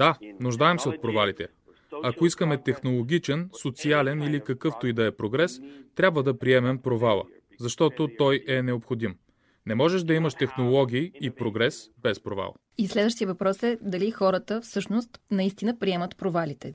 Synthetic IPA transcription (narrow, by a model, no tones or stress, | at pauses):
d̪̥anuʒd̪aɛmsɛot̪̚pɾovalit̪ɛ | ɐkoiskəmɛt̪ɛxnolˠoɡ̟ʲit͡ʃɛnsot̪sialɛnilikɐkɤft̪oid̪ɐɛpɾoɡɾɛst̪ɾʲabvəd̪ɐpɾiɛmɛmpɾovalˠə̰ | zɐʃt̪ɔt̪ot̪ɔjɛnɛopxod̪im | nɛmɔʒɛʃd̪ɐiməʃt̪ɛxnolˠɔɡ̟ʲiːpɾoɡɾɛsbɛspɾova̰lˠ | islɛd̪vəʃt̪ijəvɐpɾɔsɛd̪ɐlixɔɾət̪əfsɤʃnost̪nɐist̪inəpɾiɛmət̪pɾovalit̪ɛ